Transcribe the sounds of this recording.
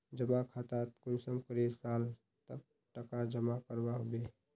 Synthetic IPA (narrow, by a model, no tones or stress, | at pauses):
d͡ʒəmakʰat̪at̪kunsəmkəɾesal | t̪əb̚ | ʈəkad͡ʒəmakəɾbaɦobe